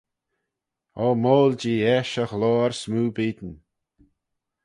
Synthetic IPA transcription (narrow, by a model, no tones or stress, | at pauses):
ɔːmoːld͡ʒiːɛʃəxlɔːɹsmuːbiːd̪n